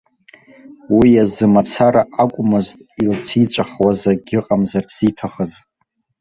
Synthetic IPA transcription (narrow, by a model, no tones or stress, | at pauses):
wijazɨmat͡sʰaɾaʔakʷʼmɨztʼilt͡ɕʷʰit͡ʃʷʼaχwazaɡʲɪqʼamzarsitʰaχəz